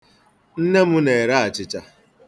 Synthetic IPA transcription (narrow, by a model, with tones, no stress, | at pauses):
n̩˦ne˦mʊ˦ne˨ɾa˦a˨t͡ʃɪ˦t͡ʃa˦